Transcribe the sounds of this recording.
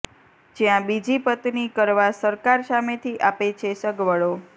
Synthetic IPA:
d͡ʒjãbid͡ʒipət̪nikəɾʋasəɾkaɾsamet̪ʰiʔapet͡ʃʰesəɡʋəɭo

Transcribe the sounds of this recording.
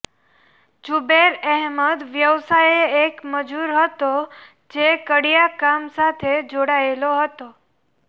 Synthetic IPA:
d͡ʒubeɾɛɦməd̪ʋjəʋsajeekməd͡ʒuɾɦət̪o | d͡ʒekəɽijakamsat̪ʰed͡ʒoɽaeloɦət̪o

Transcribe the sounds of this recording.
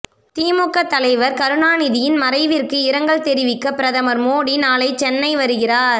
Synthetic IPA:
t̪iːmɔkːɐt̪ːɐlɐɪʋɐɾkɐɾɯɳaːnɪðɪjɪnmɐɾɐɪʋɪrkɯɪɾɐŋɡɐɭt̪ɛɾɪʋɪkːɐpɪɾɐðɐmɐɾmoːɽinaːlɐɪt͡ʃɛnːɐɪʋɐɾɯɣɪraːɾ

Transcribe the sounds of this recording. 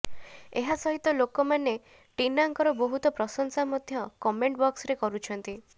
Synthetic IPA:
eɦasɔɦit̪ɔlokɔmane | ʈinaŋkɔɾɔbɔɦut̪ɔpɾɔsɔŋsamɔd̪ʱjɔkɔmeɳʈbɔksɔɾekɔɾut͡ʃʰɔnt̪i

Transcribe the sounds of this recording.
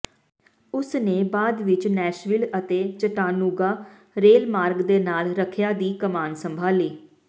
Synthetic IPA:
ʊsneːbaːd̪ʋɪt͡ʃnɛːʃʋɪlət̪eːt͡ʃəʈaːnuːɡaː | ɾeːlmaːɾɡd̪eːnaːlɾəkʰjaːd̪iːkəmaːnsəmbʱaːliː

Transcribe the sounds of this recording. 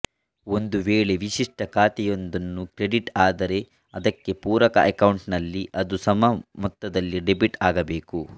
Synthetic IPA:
o̞nd̪uʋeːɭe̞ʋiʃiʂʈɐkʰaːt̪ɛjo̞nd̪ɐnːukɾeɖiʈaːd̪ɐɾe̞ | ɐd̪ɐkːe̞puːɾɐkɐ̰ʔɐkɐwɳʈnɐlːiʔɐd̪usɐmɐmɔt̪ːɐd̪ɐlːiɖebiʈaːɡɐbeːku

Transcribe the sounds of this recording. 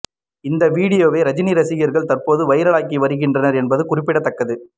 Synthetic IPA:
ɪnd̪ɐʋiːɽɪjoːʋeːɾɐd͡ʒɪniɾɐsɪjɪjɐɾɣɐɭt̪ɐrpoːðɯʋɐɪɾɐɭaːk̬ːiʋɐɾɯɣɪndrɐnɐɾɛnbɐðɯkʊrɪpːɪɽɐt̪ːɐkːɐðɯ

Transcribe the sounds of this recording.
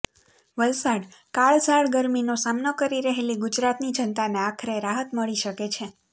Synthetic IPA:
ʋəlsaɽkaɭsaɭɡəɾminosamnokəɾiɾəɦeliɡud͡ʒɾat̪nid͡ʒənt̪aneakʰəɾeɾaɦət̪məɭiʃəket͡ʃʰe

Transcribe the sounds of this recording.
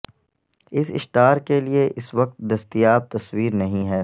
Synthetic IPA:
ɪsɪ̰ʃʈaːɾkelieʔɪsʋɐq̚t̪̚d̪ɐst̪ijaːb̚t̪ɐswiːɾnɐɦĩɦɛː

